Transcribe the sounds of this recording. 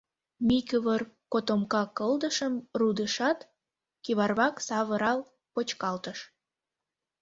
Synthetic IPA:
mikəβərkot̪omkɑkəld̪əʃəmrud̪əʃɑt̪ | kiβɑrβɑksɑβəɾɑl | pot͡ɕkɑlt̪əʃ

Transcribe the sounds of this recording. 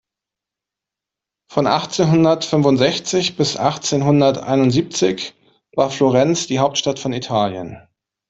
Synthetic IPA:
fɔnʔa̰χt͡seːnɦʊndɐtfʏnvʊntz̥ɛçt͡sɪçb̥ɪsʔaχt͡seːnɦʊndɐtʔa̰ɪnʊntz̥iːp̚t͡sɪç | vaːɐfloʁɛnt͡sd̥iːɦaʊp̚tʃtatfɔnitʰaːljə̰n

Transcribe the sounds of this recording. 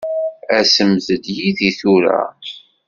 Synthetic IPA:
æsəmðəd̪jiðiθuɾæ̰

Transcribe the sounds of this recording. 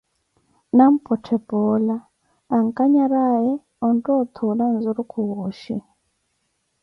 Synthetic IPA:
nam̩pʼɔtʰɛpʼɔlaː | ŋ̩kʼaɲaɾajɛ | ɔntʼɔt̪ʰulanzuɾukʰuɣɔʃḭ

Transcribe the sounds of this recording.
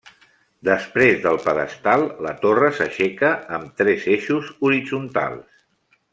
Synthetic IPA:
d̪əspɾezðəlˠpəðə̰st̪alˠlət̪orəsəʃɛkəːmt̪ɾɛzeʃuzuɾid͡zunt̪a̰lˠs

